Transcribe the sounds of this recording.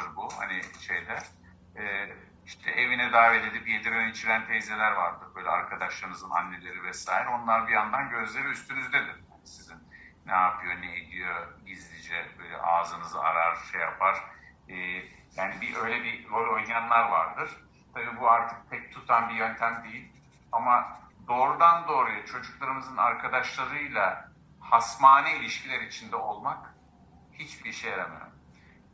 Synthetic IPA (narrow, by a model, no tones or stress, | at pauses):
ɯɾbuha̰niʃejd̪ɛ | ɛː | iʃt̪ʰɛʔevinɛd̪aːved̪ed̪ipjed̪iɾønit͡ʃʰiɾænt̪ʰejzelʲæɾvaɾd̪ɯɾbøːjlʲɛ̰aɾkʰad̪aʃlˠaɾɯnɯzɯna̰nːe̞lʲe̞ɾivɛsaːɦiɾo̞nlˠaɾbijand̪anɟø̞zlʲe̞ɾiyst̪ʰynyzd̪ed̪iɾ̥hanisizinnɛapʰɯjoneed̪ijoɟizlʲid͡ʒɛbøjlʲɛ̰ʔaːzɯnɯza̰ɾaɾ̥ʃejapʰaɾ̥ː | jaːnibiʔø̞jlʲɛbiɾo̞lʲo̞jnjanlˠaɾvaɾd̪ɯɾ̥ | t̪ʰabiːbuaɾt̪ʰɯ̥k̚t̪ʰɛc̚t̪ʰut̪ʰanbijø̞nt̪ʰæmd̪ejilʲ | amad̪o̞ːɾud̪and̪o̞ːɾujat͡ʃʰo̞d͡ʒuklˠaɾɯmɯzɯna̰ɾkʰad̪aʃlˠaɾɯjlˠa | hasmaːnɛilʲiʃcʰilʲæɾit͡ʃʰind̪ɛo̞lˠmak | hit͡ʃbiɾʃejeɾʲemḛjo̰m